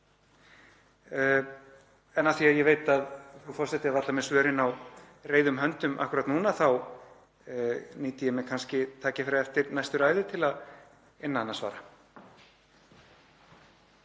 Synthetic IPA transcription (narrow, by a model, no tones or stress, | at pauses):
ɛnaθiaðjɛveːjt̪aðθufɔr̥sɛt̪ɪɾaðat̪lamɛðsvœːɾɪnaw | reːjðʏmɦœnt̪ʏmʔa̰hkʏɾat̪nuːnaθaw | niːt̪ɪjɛmɛðkʰanscɪt̪ʰaːcɪfɪɾaɛft̪ɪɾnajst̪ʏɾaːjðɪt̪ʰɪlað | ɪnːaanːasva̰ːɾa